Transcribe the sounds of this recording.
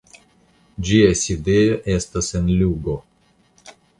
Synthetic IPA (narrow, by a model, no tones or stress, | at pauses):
d͡ʒiasʲid̪ejoʔest̪asenlʲuɡo